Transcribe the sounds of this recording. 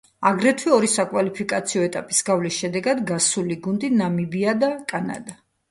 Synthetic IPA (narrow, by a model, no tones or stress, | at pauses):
aɡɾɛt̪ʰwiɔɾisakʼwalipʰikʼat̪sʰiɔɛt̪ʼapʼisɡavlisʃɛd̪ɛɡad̪ɡasuliɡund̪inamibiad̪akʼana̰d̪a